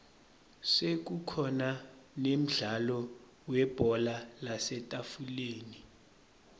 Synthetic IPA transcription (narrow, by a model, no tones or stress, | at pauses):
sek̬ukʰɔnanem̩ɮalɔ | wɛb̥ʱɔlalasɛtʼafuleːni